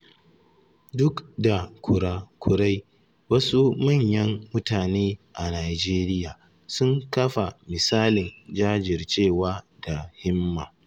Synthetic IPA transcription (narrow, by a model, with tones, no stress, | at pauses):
dʊ˦kda˨kʷʰʊ˨ɽaː˦kʷʰʊ˨ɽa˦j | wɐ˦su˦mɐ˦˨ɲjɐ˦mːʊ˦taː˨neː˦ʔa˨naː˨d͡ʒeː˦ɾɪ˦jaː˨ | sʊ˦ŋkɐ˦ɸa˨mɪ˨saː˦lɪ˨nd͡ʒaː˦d͡ʒɪ˨rt͡ʃeː˦˨waː˦ | da˨hɪ˦mːaː˨